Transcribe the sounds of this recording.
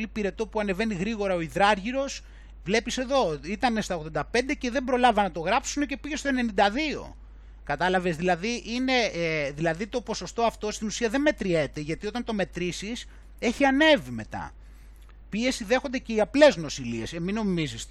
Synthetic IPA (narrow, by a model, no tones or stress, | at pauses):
lipiɾe̞t̪o̞puɐne̞ve̞niɣɾiɣo̞ɾɐo̞iðɾɐɾʝiɾo̞s | vle̞pise̞ðo̞it̪ɐnest̪ɐoɣðo̞nd̪ɐp̞nd̪e̞ce̞ðe̞mbɾo̞lɐvɐnɐt̪o̞ɣɾɐpsunece̞piʝe̞st̪oene̞nind̪ɐðio̞̰ | kɐt̪ɐlɐve̞zðilɐðiʔine̞ðilɐðit̪o̞po̞so̞st̪oɐft̪o̞st̪inusiɐðe̞nme̞t̪ɾie̞t̪e̞ʝɐt̪io̞t̪ɐnt̪o̞me̞t̪ɾisis | e̞çiɐne̞vime̞̰t̪ɐ̰ | pie̞siðe̞xo̞nd̪ece̞iɐple̞zno̞silie̞semino̞mizis